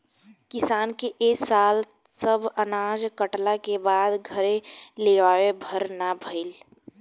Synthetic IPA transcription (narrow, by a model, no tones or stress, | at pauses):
kɪsaːnkeʔeːksaːl | səbənaːd͡ʒkəʈlakebaːd̪ɡʱəɾeleʋaːwebʱəɾnabʱəɪl